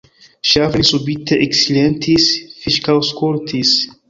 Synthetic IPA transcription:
ʃavlisubit̪eʔeksilent̪ʰisfiʃkawskoɾt̪ʰis

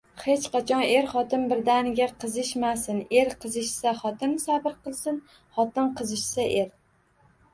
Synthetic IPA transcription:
he̞t͡ʃqɑt͡ʃʰɒne̞ɾχɒt̪ɪnbɪɾd̪anɪɡʲaqʰɨzɪʃmasɪne̞ɾqʰɨzɪʃsaχɒt̪ʰɪnsabɪɾqɨlˠsɪn | χɒt̪ɪnqʰɨzɪʃsaʔe̞ɾ

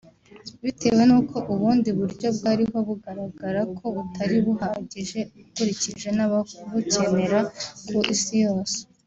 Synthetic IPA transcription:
βitʰe̞we̞nuːkʰo̞ʔuβuːndiβuɾɟo̞bɡaːɾiɦo̞βuɡaɾaɡaɾakʰo̞βutʰaɾiβuhaːɟiʒe̞ukuɾiciʒe̞naβaβuce̞ne̞ɾakʰuʔisijo̞ːse̥

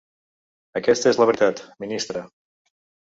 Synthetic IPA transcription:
əkɛst̪əezləβɾit̪at̪minist̪ɾə

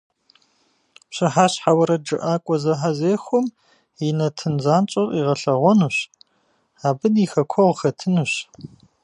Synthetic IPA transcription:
pɕʼɪħaːɕħawɐɾɐd͡ʒɨ̰ʔaːkʷʼɔzɐħazeːxʷɔm | jɪnɐtʰɨnzaːnt͡ʃʼɐrʼiːʁɐɬɐʁʷɔnuːɕ | aːbɨdixɐkʷʰɔʁəxɐtʰɨnuɕ

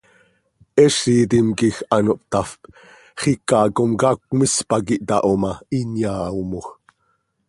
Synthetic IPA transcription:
ɛʃiːt̪imkixanoʔp̚t̪afp | χikɑːkomkɑːkmispɑk̬iʔt̪ɑ̰ʔomɑinjaːomox

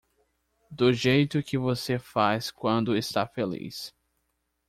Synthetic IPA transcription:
d̪ʊʒejt̪ʊkɪvosefaskwɐ̃nd̪ʊɪst̪afelḭs

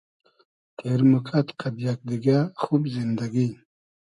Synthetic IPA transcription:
keɾmukʰat̪kab̪jak̚d̪iɡaxubzind̪aɡi

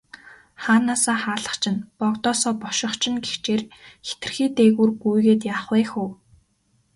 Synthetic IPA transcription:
χaːnaːsaːχaːɮə̥̆χt͡ɕʰɪ̆npɔkt̪ɔːsɔːpɔʃɪ̆χt͡ɕʰɪ̆nɡext͡ɕeːrxe̥t̪ɘ̆rxiːt̪eːɣuːrɡujɣeːt̪jaːχwiːxuː

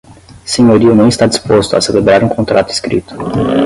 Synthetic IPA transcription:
siɲoɾiunujest̪ad̪ispost̪oa̰selebɾaɾeuŋkʰo̞nt̪ɾʔat̪iskɾḭt̪

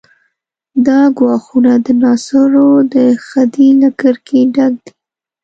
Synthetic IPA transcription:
d̪ɑɡwɑxunad̪ənɑsaɾod̪əxad̪ilakəɾkʰeɖaɡ̚d̪i

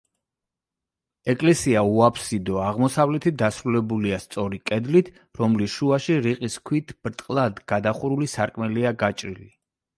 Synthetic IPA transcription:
ɛkʼlɛsiauapʰsid̪ɔaʁmɔsavlɛt̪ʰit̪̚d̪asɾulɛbuliast̪sʼɔɾikʼɛd̪lit̪ʰ | ɾɔmlisʃuaʃiɾiqʼiskʰwit̪ʰb̥ɾt̪ʼqʼlˠad̪ɡ̥ad̪aχuɾulisaɾkʼmɛliaɡat͡ʃʼɾḭli

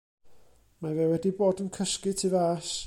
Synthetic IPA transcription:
mavɛwɛdiboːdənkʰəskɨtʰɪvaʃ

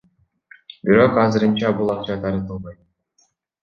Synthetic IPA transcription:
biɾo̞qɑzɯɾɯnt͡ʃɑbulˠɑqt͡ʃɑt̪ʰɑɾɯt̪ɯlˠd̪ɯj

